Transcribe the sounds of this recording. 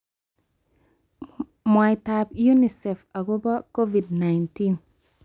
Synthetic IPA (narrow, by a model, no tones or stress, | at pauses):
majtapjunisɛfaɡubakovidnajntin